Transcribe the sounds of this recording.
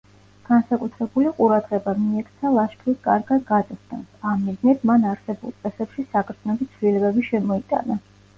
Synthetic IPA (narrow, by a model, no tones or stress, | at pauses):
ɡ̥ansakʼut̪ʰɾɛbuliqʼuɾad̪ʁɛbamiɛkʰt̪sʰalˠaʃkʰɾiskʼa̰ɾɡad̪̚ɡad̪ask̪ɛ̰nsamːiznɛt̪manaɾsɛbṵlˠt̪sʼɛsɛpʃisakʼɾt̪ʰnɔbit̪sʰvlilɛbɛbiʃɛmɔit̪ʼa̰na